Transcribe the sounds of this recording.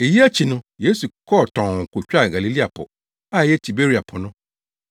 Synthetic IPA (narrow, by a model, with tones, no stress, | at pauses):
e˨ji˦æ˦t͡ɕʰi˨nʊ̃˦je˦su˨kʰɔ˦˨tʰɔ̃˨ŋ̩˨kʰʊ˨t͡ɕᶣa˦˨ɡa˨li˨li˦a˨pʰʊ̰˨ | a˦˨jɛ˦tʰi˨be˦ɾi˨a˨pʰʊ˨nʊ̃˦